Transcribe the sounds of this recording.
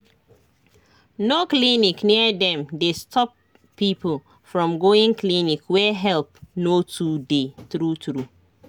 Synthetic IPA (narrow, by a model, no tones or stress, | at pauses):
noklinikniədɛ̃mdestʰɔpʰː | ipl̩ | fɹɔ̃mɡoĩŋklinikwɛɦɛlp̚notʰudeθɹutɹu